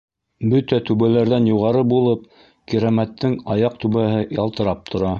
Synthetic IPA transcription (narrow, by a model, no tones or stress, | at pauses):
bɵt̪æt̪ʉβælæɾðænjuʁɑɾɤbulˠɤp̚ | kiɾæmæt̪ːɘŋɑjɑq̚t̪ʉβæɦɘjɑlˠt̪ɤ̆ɾɑp̚t̪ʰŏɾɑ